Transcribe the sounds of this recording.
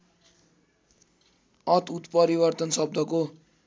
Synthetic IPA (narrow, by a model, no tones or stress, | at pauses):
ʌt̪ut̪pʌɾibʌrt̪ʌnsʌb̚d̪ʱʌko